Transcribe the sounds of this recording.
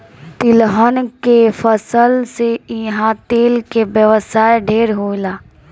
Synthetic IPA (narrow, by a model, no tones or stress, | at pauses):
t̪ɪlɦənkefʰəsəlseɪɦãt̪eːlkebjəʋəsaːjɖʱeːɾɦoːilaː